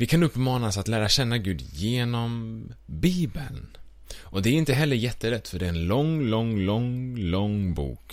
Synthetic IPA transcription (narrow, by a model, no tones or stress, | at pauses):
vɪkʰanɵpːmɑːnasat̪læːɾaɕɛnːaɡʉ̟ːd̪jeːnɔmbiːbən | ʔɔd̪ɛæɾɪnt̪əɦɛlːəɾjɛt̪ːəlɛt̪ːfœɖɛæɾɛnlɔŋlɔŋlɔŋlɔŋbṵːk